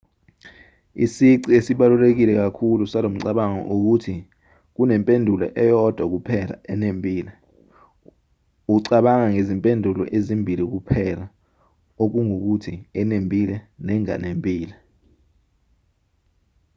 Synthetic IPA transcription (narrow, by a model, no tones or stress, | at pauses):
isiǀiesiɓalulek̬ilɛk̬akʰulusalom̩ǀaɓaŋɔ̰ʔuk̬utʰi | k̬unɛmpʼendʱulɔ̰ʔɛjɔd̥ʱwak̬upʰɛla̰ɛnempʼiːlɛ | uǀaɓaŋaŋezimpʼendʱulɔ̰ʔezimbʱilik̬upʰɛla | ok̬uŋok̬utʰiɛnempʼilɛnɛŋa̰nempʼiːlɛ